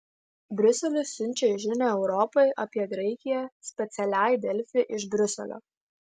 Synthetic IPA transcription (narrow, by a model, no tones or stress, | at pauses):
bʲɾʲʊsʲɛlʲʊsːʲʊnʲˑt͡ʃʲeɪʒʲɪnʲɛɛʊɾɔpɐɪʔɐpʲiɛɡɾɐɪkʲɪjɛsʲpʲɛt̪sʲɛlʲæˑɪd̪ʲɛlʲfʲɪʔɪʃbʲɾʲʊsʲɛ̰lʲo̰ː